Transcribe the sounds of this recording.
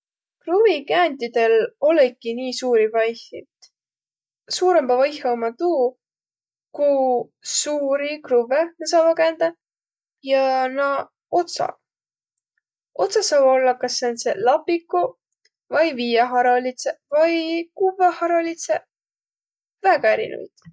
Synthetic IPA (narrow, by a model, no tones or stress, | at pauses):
kruvikæːnt̪ʲid̪̥e̞lo̞lekːiniːsuːɾivɑjhḭ | suːɾembɑvɑjhɑomːɑt̪uː | ku | suːɾikruvenesɑvɑkænd̪ɑ | jɑnɑ | o̞t̪sɑ̰ | o̞t̪sɑsɑːbo̞lːɑkɑsːenselɑpːikːu | vɑjviːjɑɦɑɾɑlit̪sevɑjkuvehɑɾolit̪se | væɡ̥ɑeɾḭnʔṵjd̪̥